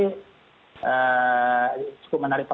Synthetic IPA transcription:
ə | t͡ʃu̥kʊp̚mənaɾɪpa

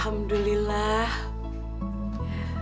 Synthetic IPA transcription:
hamd̪ulilah

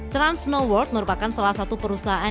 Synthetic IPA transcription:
t̪ɾansnowɔrt̪̚məɾupakansalahsat̪upəɾusaɦaʔa

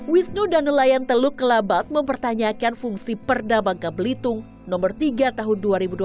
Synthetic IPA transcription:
wisnudanəlajant̪əlʊkːəlabat̪̚məmpərt̪aɲakanfuŋsipərdabaŋkabəlit̪ʊŋ | nɔmbərt̪iɡat̪aɦʊnduaɾibudu

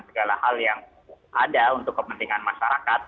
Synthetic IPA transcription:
nsəɡalahaljaŋ | ʔadaunt̪ʊkːəpənt̪iŋanmaʃaɾakat̪̚

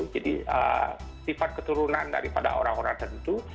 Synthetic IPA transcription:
ud͡ʒadḭə̰sipat̪̚kət̪uɾunanda̰ɾipada̰oɾaŋoɾaŋt̪ənt̪u

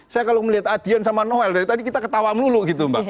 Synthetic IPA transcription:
sajakaloməliɦat̪̚ad̪̥i̤ansamanoɛldaɾit̪adikit̪akət̪awaməluluɡit̪umba

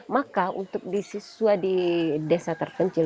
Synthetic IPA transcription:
makaunt̪ʊk̚disisuadidɛsat̪ərkəɲt͡ʃɪ

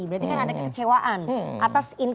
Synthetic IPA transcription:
ibəɾaɾt̪ikanadakəkə̥t͡ʃewaʔanʔat̪asin

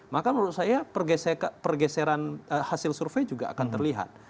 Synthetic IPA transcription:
makaməɾʊt̪̚sajapərɡɛsɛkapərɡɛsɛɾanəhasɪlsurfɛjd͡ʒuɡaa̰kant̪ərliɦa̰t̪̚

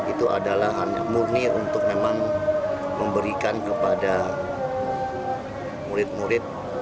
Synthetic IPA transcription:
it̪uʔa̰dalahɦaɲa̰mur̚niunt̪ʊk̚memaŋ | məmbəɾikankəpada | muɾɪt̪̚muɾɪt̪̚

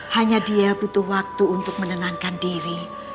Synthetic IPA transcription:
haɲadiabut̪ʊhwak̚t̪uːnt̪ʊk̚mənənaŋkandiɾi

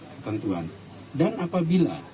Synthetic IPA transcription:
kət̪ənt̪ua̰n | danapabila̰

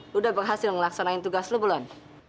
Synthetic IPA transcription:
udahbərɦasɪlməlaksanaint̪uɡaslubulan

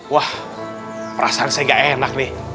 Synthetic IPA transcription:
wah | pəɾʔa̰saːnsaeŋɡaʔenak̚nɪh

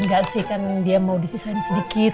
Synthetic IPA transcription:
ŋɡaʔsɪhkandiamawdisisajaŋsədikɪt̪

